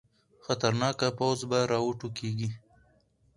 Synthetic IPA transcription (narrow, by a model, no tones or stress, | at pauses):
xat̪aɾnɑkapawzbaɾɑwuʈukeɡi